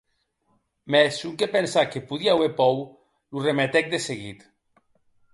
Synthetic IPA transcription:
mɛsukepensakepuðiaaweɾpɔw | luremet̪ɛk̚d̪eseɣit̪

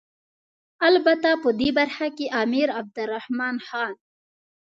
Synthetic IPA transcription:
albat̪apəd̪ebaɾxakeʔɑːmiɾab̚d̪əɾːahmɑnxɑːn

